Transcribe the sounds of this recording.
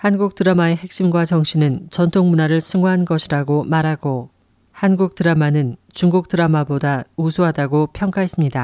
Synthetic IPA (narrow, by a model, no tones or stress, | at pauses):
hanɡuk̚t͈ɯɾamae̞he̞k̚ɕ͈imɡwat͡ɕʌŋɕ͈ʰinɯnt͡ɕʌntʰoŋmunaɾɯɭsʰɯŋoɦanɡʌɕʰiɾaɡomaɾɦaɡo | hanɡuk̚t͈ɯɾamanɯnt͡ɕuŋɡuk̚t͈ɯɾamabodausʰuɦadaɡopʰjʌŋk͈aɦe̞s͈ɯmɲida